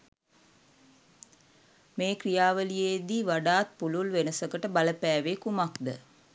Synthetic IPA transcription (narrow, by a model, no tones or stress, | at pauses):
meːkrijaːʋəlijeːd̪iʋaɖaːt̪̚pululʋenəsəkəʈəbaləpæːʋekumakd̪ə